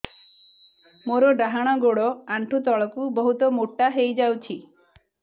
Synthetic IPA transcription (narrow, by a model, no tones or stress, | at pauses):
moɾɔɖaɦaɽ̃ɔɡoɽɔaɳʈʰut̪ɔɭɔkubɔɦut̪ɔmoʈːaɦejd͡ʒawt͡ʃʰi